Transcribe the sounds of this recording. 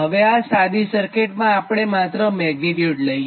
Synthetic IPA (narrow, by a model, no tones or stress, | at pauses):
ɦəʋeasad̪isəɾkeʈmãːpɽ̃emat̪ɾəmɛɡniʈ̪juɖləj